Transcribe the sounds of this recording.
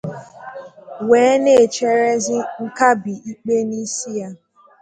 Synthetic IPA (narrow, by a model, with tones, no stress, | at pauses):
weː˨˦ne˦˨t͡ʃe˦ɾe˦zɪ˦ŋ̩˦ka˦bi˨i˦k͡pe˦ni˦si˦ja˦